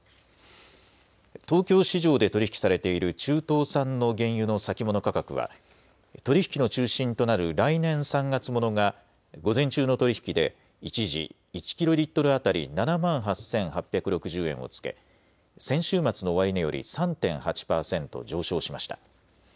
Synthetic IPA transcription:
t̪o̞ːkʲo̞ːɕiʑo̞ːd̪e̞t̪oɾiçi̥kʲi̥saɾe̞t̪e̞iɾɯ̟t͡ɕɨːt̪o̞ːsãnːo̞ɡẽ̞ɰ̃jɯ̟no̞sakʲimo̞no̞kakakɯ̟̰βa̰ | t̪o̞ɾʲiçi̥kʲino̞t͡ɕɨːɕĩnt̪o̞naɾɯ̟ɾainẽ̞ɰ̃sãŋɡat͡sɨmo̞no̞ɡa | ɡo̞zẽ̞ɲ̟t͡ɕɨːno̞t̪o̞ɾʲiçi̥kʲid̪e̞̰ | it͡ɕiʑḭː | t͡ɕi̥kʲiɾo̞ɾʲit̪ːo̞ɾɯ̟at̪aɾʲḭnanamãɰ̃ɦasẽ̞ɰ̃ɦapʲːjakɯ̟ɾo̞kɯ̟ʑɨːẽ̞ɰ̃o̞̰t͡sɨ̥ke̞̰ | sẽ̞ɰ̃ɕɨːmat͡sɨno̞ːβaɾʲinojo̞̰ɾʲḭsãnt̪ẽ̞ɰ̃hat͡ɕi̥paːsẽ̞nt̪o̞̰d͡ʑo̞ːɕo̞ːɕimaɕi̥t̪ḁ

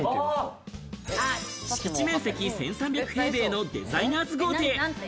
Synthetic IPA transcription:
ɕkit͡ɕimẽ̞ɰ̃se̞kʲisẽ̞ɰ̃sãmbʲjakɯ̟̥he̞ːbe̞ːno̞d̪e̞̰zainaːzɨɡo̞ːt̪e̞ː

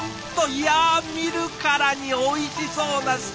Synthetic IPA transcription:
t̪ːojamʲiɾɯ̟kaɾaɲ̟io̞iɕiso̞ːnaɕ

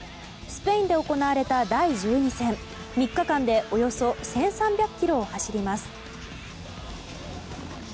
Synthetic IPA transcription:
sɨ̥pe̞ĩnd̪e̞oko̞naβaɾe̞t̪ad̪aiʑɨːɲisẽ̞m | mʲikːakãnd̪e̞ʔo̞jo̞so̞sẽ̞ɰ̃sãmbʲjakɯ̥kʲːiɾo̞ːhaɕiɾʲimasɨ̥

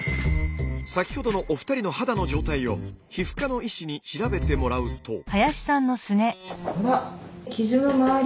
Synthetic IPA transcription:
sakʲi̥ho̞d̪o̞no̞ʔoɸɯ̟t̪aɾʲino̞had̪ano̞d͡ʑo̞ːt̪aio̞çiɸɯ̟̥kano̞iɕiɲ̟iɕiɾabe̞t̪e̞mo̞ɾaɯ̟t̪ʰo̞hajaɕi̥sãnːo̞sɨne̞makʲizɨmɯmaː

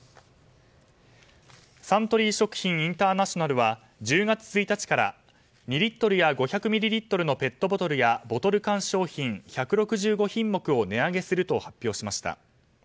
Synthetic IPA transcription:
sãnt̪o̞ɾʲiːɕo̞kɯ̟̥çĩɰ̃ĩnt̪aːnaɕo̞naɾɯ̟βa | d͡ʑɨːɡat͡sɨ̥t͡sɨit̪at͡ɕi̥kaɾa̰ | mʲiɾʲit̪ːo̞ɾɯ̟jaɡo̞çakɯ̟mʲiɾʲiɾʲit̪ːo̞ɾɯ̟no̞pe̞t̪ːo̞bo̞t̪o̞ɾɯ̟jabo̞t̪o̞ɾɯ̟kãɰ̃ɕo̞ːçĩɴçakɯ̟ɾo̞kɯ̟ʑɨːɡo̞çĩmːo̞kɯ̟o̞ne̞aɡe̞sɨɾɯ̟t̪o̞hapʲːo̞ːɕimaɕi̥t̪a̰

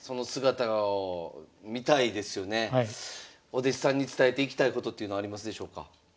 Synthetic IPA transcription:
so̞no̞sɨɡat̪aɡaomʲit̪aid̪e̞sɨjo̞ne̞ | o̞d̪eɕi̥sãɲ̟ːit͡sɨ̥t̪aet̪e̞ikʲi̥t̪aiko̞t̪o̞t̪ːeiɯ̟no̞aːɾʲimasɨd̪e̞ɕo̞ːka̰

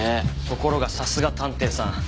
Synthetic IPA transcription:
et̪o̞ko̞ɾo̞ɡasasɨɡat̪ãnt̪e̞ːsã

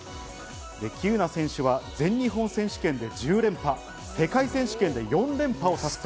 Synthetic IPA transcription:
d̪e̞kʲʰɨːnasẽ̞ɰ̃ɕɨβazẽ̞ɲ̟ːiɦõ̞ɰ̃sẽ̞ɕi̥kẽ̞nd̪e̞d͡ʑɨːɾẽ̞mpa | se̞kaisẽ̞ɰ̃ɕi̥kend̪e̞jõ̞nɾẽ̞mpao̞sasɨ̥t̪

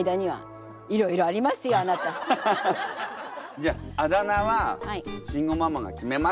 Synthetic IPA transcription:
jd̪aɲ̟iβa̰ | iɾo̞iɾo̞aɾʲimasɨjo̞anat̪a | d͡ʑaːad̪anaβahaiɕĩŋɡo̞mamaɡa̰kʲime̞ma

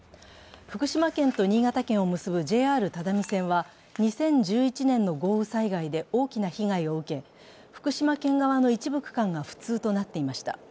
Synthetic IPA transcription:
ɸɯ̟̥kɯ̟ɕimakẽ̞nt̪o̞ɲ̟iːɡat̪akẽ̞ɰ̃o̞mɯ̟sɨbɯ̟d͡ʑe̞ːaːɾɯ̟t̪ad̪amʲisẽ̞ɰ̃βa | ɲ̟isẽ̞ɲ̟d͡ʑɨːit͡ɕinẽ̞nːo̞ɡo̞ːɯ̟saiɡaid̪e̞o̞ːkʲinaçiɡaio̞ɯ̟ke̞ | ɸɯ̟̥kɯ̟ɕimakẽ̞ŋɡaβ̞ano̞it͡ɕibɯ̟kɯ̟̥kãŋɡaɸɯ̟̥t͡sɨːt̪o̞nat̪ːe̞imaɕi̥t̪a̰

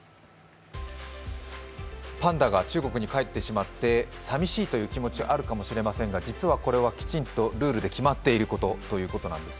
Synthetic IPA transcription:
pãnd̪aɡat͡ɕɨːɡo̞kɯ̟ɲ̟ikaet̪ːe̞ɕimat̪ːe̞samʲiɕiːt̪o̞jɯ̟ːkʲimo̞t͡ɕiʔaɾɯ̟kamo̞ɕiɾe̞masẽ̞ŋɡad͡ʑit͡sɨβako̞ɾe̞β̞akʲi̥t͡ɕĩnt̪o̞ɾɯ̟ːɾɯ̟d̪e̞kʲimat̪ːe̞iɾɯ̟ko̞t̪o̞t̪o̞jɯ̟ːko̞t̪o̞nã̰nd̪e̞sɨ̥

